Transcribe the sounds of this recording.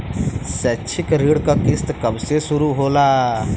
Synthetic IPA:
sɛt͡ʃʰɪkɾiːɽkakɪst̪kəbsesʊɾuɦolaː

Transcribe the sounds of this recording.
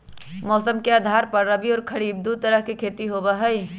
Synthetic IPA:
mɔːsəmkeaːd̪ʱaːɾpɐɾɾɐbiɔːɾkʰɐɽiːb̚d̪ut̪ɐɾəɦkekʰeːt̪iɦoːbaɦɐi

